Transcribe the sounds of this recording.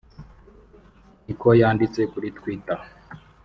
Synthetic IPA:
nikojaːndit͡sekuɾitwita

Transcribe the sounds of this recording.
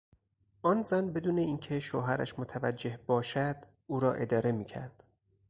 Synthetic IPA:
ʔɒːnzænbe̞d̪uːne̞iːncʰe̞ʃoɦæɾæ̰ʃmot̪ʰævæd͡ʒːe̞hbɒːʃæd̪̥ | ʔuːɾɒːʔe̞d̪ɒːɾe̞miːcʰæ̰ɾd̪̥

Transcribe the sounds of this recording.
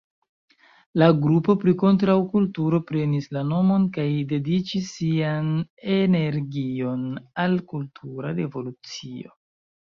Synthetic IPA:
laɡɾupo̞pɾiko̞nt̬ɾawkultuɾo̞pɾe̞nislano̞mo̞nkajde̞dit͡ʃisːiane̞ne̞ɾɡio̞nalkultʰuɾaɾe̞vo̞lut͡sio̞̰

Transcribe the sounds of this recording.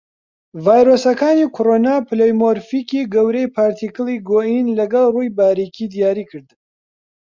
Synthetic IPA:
vaːjɾosɐkaːnikʰoɾoːnapɨlejmoɾfikiːɡɐwɾejpʰaːɾt̪ʰikɨlˠiɡoːʔinlɐɡɐlˠrujbaːɾikʰid̪ijaːɾiːkʰɨɾd̪

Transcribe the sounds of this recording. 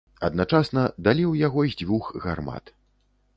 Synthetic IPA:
ɐd̪nat͡ʂasnɐd̪alʲiwjaɣɔizʲd͡zʲvʲuxɣarma̰t̪

